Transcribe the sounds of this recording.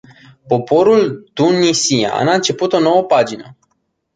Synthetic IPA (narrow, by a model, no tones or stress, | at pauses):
po̞po̞ɾult̪unisia̰a̰naɨnt͡ʃe̞put̪o̞no̞wəpad͡ʒinə